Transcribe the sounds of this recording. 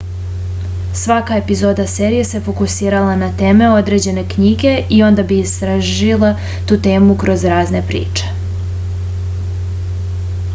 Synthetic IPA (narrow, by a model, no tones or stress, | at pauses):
sʋakae̞pizo̞ːd̪aseːɾije̞se̞fo̞kusiːɾalanat̪e̞ːme̞o̞d̪ɾe̞d͡ʑe̞ne̞kɲiɡe̞ʔio̞nd̪abiist̪ɾaʒilˠa | t̪uːt̪e̞ːmukɾo̞zɾaːzne̞pɾḭːt͡ʃe̞̥